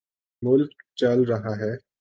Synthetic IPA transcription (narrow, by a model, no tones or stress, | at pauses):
mʊlkt͡ʃalɾɐɦaɦɛː